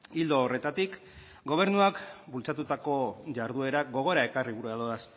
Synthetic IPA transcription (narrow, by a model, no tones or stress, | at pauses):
ild̪o̞ːre̞t̪at̪ik | ɡo̞β̞e̞ɾnuakbult͡sat̪ut̪ako̞ʝaɾðue̞ɾaɡo̞ɣ̞o̞ɾae̞kariβuɾuaðoðas